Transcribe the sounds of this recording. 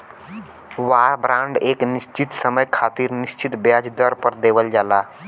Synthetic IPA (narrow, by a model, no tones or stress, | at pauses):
ʋaɾbɾãːɳɖeːknist͡ʃit̪səməjkʰat̪iɾnist͡ʃit̪bjad͡ʒd̪əɾpəɾd̪eːbəld͡ʒaːla